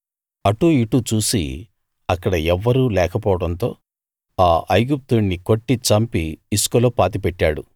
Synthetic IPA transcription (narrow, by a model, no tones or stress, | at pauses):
ɐʈuiʈut͡ʃuːsḭ | ɐkːɐɽɐɛʋːɐɾulɛːkɐpɔːʋɐɽɐnt̪o̞ː | aːʔɐjɡup̚t̪uɳːiko̞ʈːit͡ʃɐmpiːskoloːpaːt̪ipɛʈːaːɽṵ